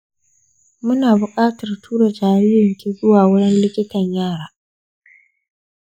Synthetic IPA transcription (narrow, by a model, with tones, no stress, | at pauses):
mʊ˦naː˨bʊ˨kʼaː˦tɐ˨rtʰuː˦ɽa˨d͡ʒaː˨ɽɪː˦jɪ˨ŋkʲi˦zʊ˦waː˨wʊ˦ɽɪ˦nlɪ˦kʲɪ˦tɐ˨ɲjaː˦˨ɽaː˨